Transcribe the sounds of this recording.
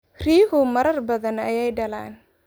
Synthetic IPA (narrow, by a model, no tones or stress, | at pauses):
riːɦʊmɐɾɐrbɐðɐnɐjɛjɖɐla̰ːn